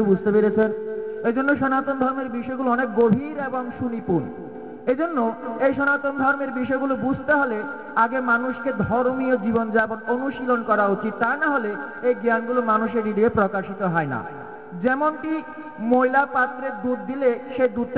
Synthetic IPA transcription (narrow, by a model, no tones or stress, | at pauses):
bud͡ʑʱt̪epeɾet͡ɕʰened͡ʑonːoʃɔnat̪ond̪ʱɔɾmeɾbiʃɔeɡuloɔnekɡobʱiɾeboŋʃunipun | ed͡ʑonːoejʃɔnat̪ond̪ʱɔɾmeɾbiʃɔeɡulobud͡ʑʱt̪eɦole | aɡemanuʃked̪ʱoɾmiod͡ʑibond͡ʑaebononuʃilonkɔɾaot͡ɕit̪ːaenaɦoleejɡanɡulomanuʃeɾidiepɾokaʃit̪oɦɔena̰ | d͡ʑɛmonʈi | moilapat̪ːɾeɾd̪uɖd̪ileʃejd̪uɾt̪